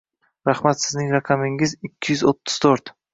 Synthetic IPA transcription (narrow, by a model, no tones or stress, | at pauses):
ɾahmat̪sɪznɪŋɾɑqʰɑmɪŋɪzɪkʲʰːɪjʏzot̪ʰːɪ̥z̥t̪ʰoɾt̪